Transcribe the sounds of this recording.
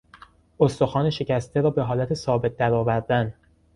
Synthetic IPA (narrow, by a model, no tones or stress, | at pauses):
ost̪o̞xɒːne̞ʃe̞cæst̪ʰe̞ɾɒːbe̞ɦɒːlæt̪ʰe̞sɒːbe̞t̪̚d̪æɾɒːvæɾd̪æn